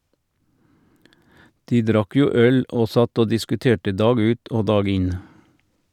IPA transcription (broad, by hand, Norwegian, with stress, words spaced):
ˈdiː ˈdɾɑk ˈjuː ˈœl ˈoː ˈsɑt ˈoː dɪskʉˈteːʈə ˈdɑːɡ ˈʉːt ˈoː ˈdɑːɡ ˈɪn